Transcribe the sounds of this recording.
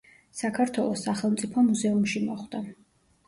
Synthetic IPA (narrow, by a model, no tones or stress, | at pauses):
sakʰaɾt̪ʰwɛlˠɔsːaχɛlˠmt̪sʼipʰɔmuzɛumʃimɔχd̪̥a